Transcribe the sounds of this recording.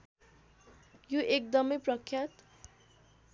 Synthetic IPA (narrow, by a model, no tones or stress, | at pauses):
juʔekd̪ʌmʌjprʌkʰjat̪